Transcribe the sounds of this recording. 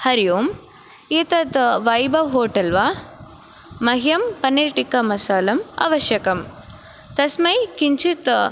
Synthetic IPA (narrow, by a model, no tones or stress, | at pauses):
hɐɾijoːm | it̪ɐt̪ʋɐjbɐʋɦoːʈɐlʋaː | mɐɦijɐmpɐniɾʈikɐmɐsaːlɐmɐ̰ʋɐʃjɐkɐm | t̪ɐsmɐjkiɲt͡ʃʰit̪